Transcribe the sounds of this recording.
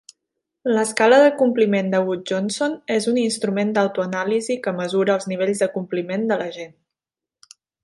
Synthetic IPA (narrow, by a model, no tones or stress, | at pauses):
ləskaləðəkumplimend̪əwut̪̚ʒonsonezuninst̪ɾumend̪əwt̪uənalizikəməzuɾəːlˠzniβ̞eʎzðəkumplimend̪ələʒen